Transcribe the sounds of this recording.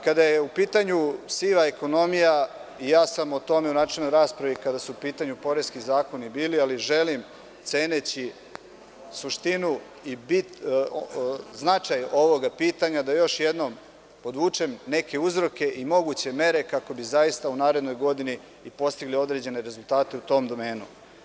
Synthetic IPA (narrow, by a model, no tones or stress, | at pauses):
kad̪aje̞upiːt̪aɲusiʋaeko̞no̞mijaijaːsamot̪o̞me̞unaːt͡ʂelnojɾaːspɾaʋikad̪asuupiːt̪aɲupo̞ɾe̞skizaːko̞nibiːlialiʒe̞lim | t̪se̞ːnet͡ɕi | suʃt̪inu | ibit̪ | znat͡ʂajo̞ʋo̞ɡapiːt̪aɲad̪ajo̞ʃje̞d̪no̞m | po̞d̪ʋuːt͡ʂemne̞ke̞uzɾo̞ke̞ʔimo̞ɡut͡ɕe̞me̞ɾe̞kako̞bizajist̪aunaːɾe̞d̪no̞jɡo̞d̪ini | ipo̞st̪iɡlio̞d̪ɾe̞d͡ʑe̞ne̞ɾe̞zulˠt̪aːt̪e̞ut̪o̞ːmd̪o̞meːnṵ